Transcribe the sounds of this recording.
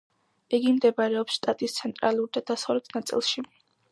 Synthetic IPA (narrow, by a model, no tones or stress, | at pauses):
iɡimd̪ɛbaɾɛɔpsʃt̪ʼat̪ʼist̪sʰɛnt̪ʼɾaluɾid̪ad̪̥asɔɾɛt̪ʰnat̪sʼḭlˠʃi